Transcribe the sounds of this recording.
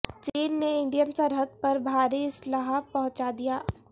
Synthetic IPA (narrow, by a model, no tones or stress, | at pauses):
t͡ʃiːnːeɪ̃ɳɖijənsəɾɦəd̪̚pɐɾbʱaːɾiɪslaːɦpɐɦʊ̃t͡ʃad̪ijaː